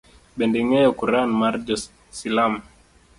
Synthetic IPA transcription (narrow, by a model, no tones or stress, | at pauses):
ɓɛndiŋɛjɔkuɾanmaɾd͡ʒɔ | silam